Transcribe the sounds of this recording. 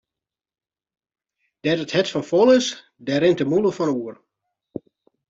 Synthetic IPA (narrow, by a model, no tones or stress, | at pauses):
d̥ɛtəthɛtfɔnfɔlˠɪs | dɛɾɪntəmuləfɔnuər